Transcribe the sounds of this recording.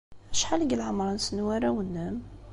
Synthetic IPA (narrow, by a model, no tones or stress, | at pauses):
æʃħaləɡəlʕamɾˤɑnsənwæɾawənːæm